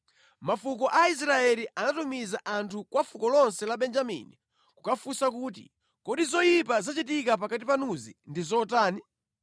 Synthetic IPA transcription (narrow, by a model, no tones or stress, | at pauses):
mafukɔʔais̬ɾaɛliʔanatumizaʔantʰukwafukɔlɔnsɛlaɓɛnd͡ʒamḭni | kukafusakuːt̬ḭ | kɔɗizɔjipazat͡ʃitikap̬akatipanuzḭndizɔtaːni